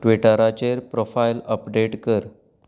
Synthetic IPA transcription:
ʈʋiʈəɾat͡ɕeɾpɾofailəpɖeʈkəɾ

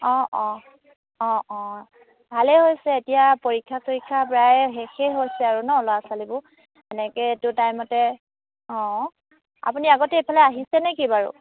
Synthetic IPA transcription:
ɔ̃ʔɔ̃ | ɔ̃ɔ̃ | bʱalɛɦojsɛetijapoɹikʰːasoɹikʰːapɹajɦexeɦojsɛaɹunɔɔlɔasalibʊ | ɛnɛkɛtʊtajmɔtɛ | ɔ̃ | a̰puniaɡɔtɛepʰalɛaɦisɛnɛkibaɹʊ̰

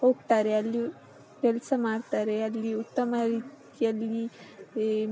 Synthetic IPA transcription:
ho̞ːɡt̪aːɾe̞ɐlːi | kɛlsɐmaːɽt̪aːɾe̞ɐlːiut̪ːɐmɐɾiːt̪ | ijɐlːi

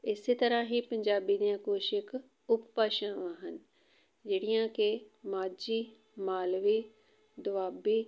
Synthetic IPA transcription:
ɪst̪ɐɾəɦipɐ̃ɲd͡ʑaːbid̪ijãkoːʃɪk | ʊppaːʃə̃aːɦənɪ̆ | d͡ʑeːɽijãkemaːd͡ʑi | maːlʋi | d̪ʊʋaːbiː

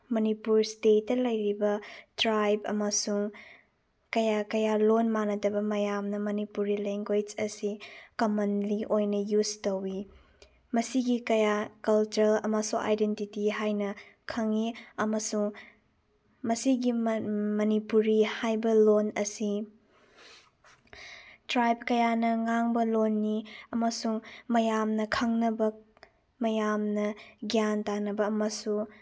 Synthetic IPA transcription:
mɐnipuɾstetːɐlɐjɾibɐtɾajbɐ̰mɐsuŋ | kɐjakɐjalonmanɐdɐbɐmɐjamnɐmɐnipuɾileŋɡwed͡ʒɐsikɐmɐnliʔojnɐjud͡ʒtowi | mɐsiɡikɐjakɐlt͡ʃɐɾɐmɐsuŋa̰jdentitiɦajnɐkʰɐŋiɐmɐsuŋ | mɐsiɡimɐnipuɾihajbɐlonɐsi | tɾajb̚kɐjanɐŋaŋbɐlonːiɐmɐsuŋmɐjamnɐkʰɐŋnɐbɐ | mɐjamnɐɡjantanɐbɐɐmɐsuŋ

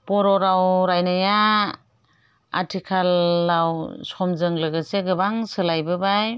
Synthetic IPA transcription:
pɔɾɔɾawɾajnaja | a̰tʰikʰalːawsɔmzɯŋlɯɡɯseɡɯbaŋsɯlajbɯbaj

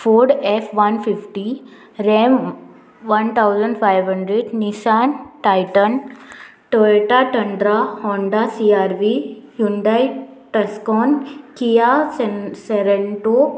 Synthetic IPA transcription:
foɾɖefʋɐnfifʈi | ɾem | ʋɐnt̪ʰawzəɳɖfajʋɦɐ̃ɳɖɾeɖnisaːnʈajʈən | ʈəʈaʈɐɳɖɾahɔ̃ːɳɖasiaːɾʋijuɳɖajʈɐskɔːnkija | seɾeɳʈo

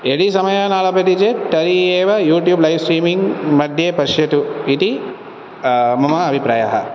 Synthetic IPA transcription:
eɽisɐmɐjaːnaːlɐpɐt̪it͡ʃet̪ɐɾieːʋɐjuːʈjuːblɐjʋsɾiːmiŋɡmɐd̪ʱjeːpɐʃjɐt̪uit̪i | mɐmɐɐbʱipɾaːja̰ɦɐ̰

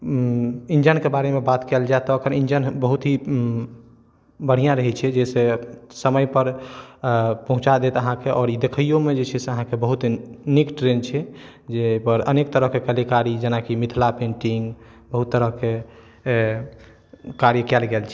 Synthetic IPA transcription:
ind͡ʒənkebaɾemebat̪kɛld͡ʒaet̪ɔːkəɾind͡ʒənbəɦut̪ɦi | bəɽ̤ijãɾəɦɛt͡ʃʰɛd͡ʒɛsesəməjpəɾ | pəɦũt͡ʃad̪et̪əɦãkeʔɔːɾid̪ekʰəjjomed͡ʒet͡ʃʰɛseəɦãkebəɦut̪nikʈɾent͡ʃʰɛ | d͡ʒepəɾənekt̪əɾəɦkekəlikaɾid͡ʒenakimit̪ʰlapẽɳʈiŋɡ | bəɦut̪ːəɾəɦke | kaɾjəkɛlɡelt͡ʃʰɛ

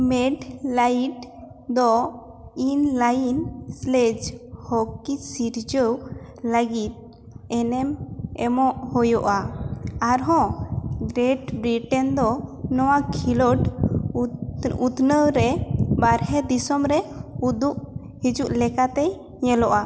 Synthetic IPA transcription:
mɛɖlajʈ | d̪ɔ | inlajnsled͡ʒhɔkisiɾd͡ʒəw | ləɡit̪̚ | ɛnɛmɛmɔʔhɔjɔʔaaɾɦɔ̃ɡɾɛʈbɾiʈɛnd̪ɔnɔwakʰilɔʈ | ut̪nəwɾɛbaɾɦɛd̪isɔmɾɛud̪uʔ | hid͡ʒuʔlɛkat̪ɛ | ɲɛlɔʔa

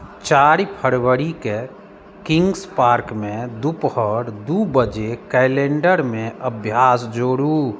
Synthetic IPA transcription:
t͡ʃaːɾipʰəɾwəɾike | kɪ̃ŋɡspaːɾkmẽd̪uphɔɾd̪ubəd͡ʒekɛɪlẽːɳɖəɾmẽəbʱjaːsd͡ʒoːɽu

